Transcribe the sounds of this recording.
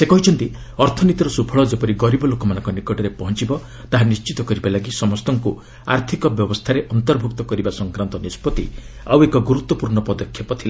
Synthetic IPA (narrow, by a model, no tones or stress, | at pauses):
sekɔɦit͡ʃʰɔnt̪i | ɔɾt̪ʰɔnit̪ɔɾɔsupʰɔɭɔd͡ʒepɔɾiɡɔɾibɔlokɔmanɔŋkɔnikɔʈɔɾepɔɦɔnt͡ʃibɔ | t̪aɦanist͡ʃit̪ɔkɔɾibalaɡisɔmɔst̪ɔŋku | a̰ɾt̪ʰikɔbjɔbɔst̪ʰaɾeʔɔnt̪ɔɾbʱuk̚t̪ɔkɔɾibasɔŋkɾant̪ɔnispɔt̪iawekɔɡuɾut̪wɔpuɾɳɔpɔd̪ɔkʰːjɔpɔt̪ʰila